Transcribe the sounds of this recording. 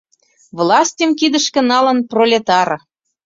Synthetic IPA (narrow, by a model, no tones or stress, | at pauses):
vlɑsʲtʲə̆mkid̪ə̆ʃkə̆nɑlə̆nprolʲet̪ɑɾ